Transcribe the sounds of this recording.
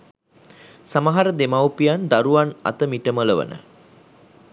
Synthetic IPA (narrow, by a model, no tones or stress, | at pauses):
samaɦaɾəd̪emawpijand̪aɾuana̰t̪əmiʈəmələʋə̰nə̰